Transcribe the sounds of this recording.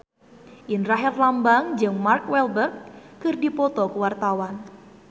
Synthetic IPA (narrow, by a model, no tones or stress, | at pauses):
ʔɪnraɦɛrlambaŋd͡ʒɨŋmarkwɛlbərɡ̚ːɨrdipɔt̪ɔkəwart̪awan